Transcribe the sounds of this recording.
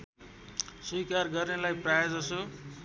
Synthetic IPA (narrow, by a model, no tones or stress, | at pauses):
sujkarɡʌrnelajprajad͡zʌso